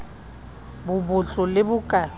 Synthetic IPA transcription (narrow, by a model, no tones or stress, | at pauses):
bʊbʊt͡ɬʼɔlɪbʊkʼa